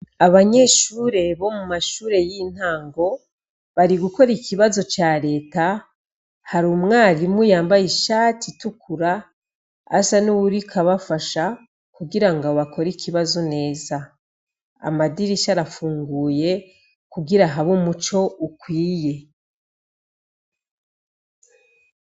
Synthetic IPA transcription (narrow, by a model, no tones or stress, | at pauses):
aβaɲe̞ʃuːɾe̞βo̞mumaʃuːɾe̞jin̥haːŋɡo̞ | βaɾiɡuko̞ɾikʰiβazo̞t͡ʃaɾe̞ːta | haɾuːmŋaːɾimujaːmbajiʃaːtʰitukʰuɾa̰ː | sanuwuɾikʰaβafaʃa | kuɡiɾaŋɡaβakʰo̞ɾikʰiβazo̞ne̞ːza | a̰madiɾisaɾafuːŋɡuːje̞ | kuɡiɾaɦaβumut͡ʃo̞ukwiːje̞